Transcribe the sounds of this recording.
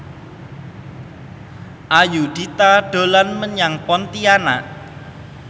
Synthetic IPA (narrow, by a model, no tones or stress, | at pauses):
ʔajud̪̥it̪aɖ̥o̤lanməɲaŋpɔnt̪ianaʔ